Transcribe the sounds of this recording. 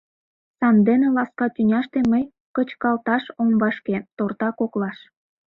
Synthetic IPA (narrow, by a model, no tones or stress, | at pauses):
sɑnd̪enelɑskɑt̪ynʲɑʃt̪eməj | kət͡ɕkɑlt̪ɑʃombɑʃket̪ort̪ɑkoklɑʃ